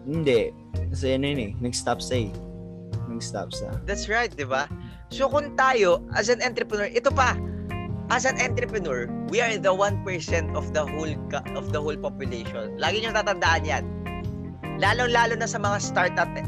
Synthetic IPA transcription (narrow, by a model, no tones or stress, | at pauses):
hɪnd̪ɛʔ | kɐsɛɐnojʊnɛnɐɡst̪ap̚sɐɪ | nɐɡst̪a̰psɐ̰d̪at̪sɹajt̪̚d̪ɪba | sokʊnt̪aːjoʔɐs̬ɐnɐnt̪ɾɛpɹɛnoɹʔɪt̪opɐ | ʔɐsɐnʔɐ̃nt̪ɾɛpɐnuɹwiʔɐɹɪnd̪ɐwãnpɛɹsɛnt̪ɔfd̪ɐholkɐʔɔfd̪ɐholpopjʊlejʃonlaːɡɪɲonɐt̪aːt̪ɐnd̪aːʔɐnjan | laːloŋlaːlonɐsɐmɐŋast̪aɹt̪ɐp̚